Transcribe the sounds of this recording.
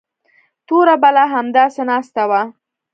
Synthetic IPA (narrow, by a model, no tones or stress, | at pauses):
t̪oɾabalaɦamd̪ɑsenɑst̪awa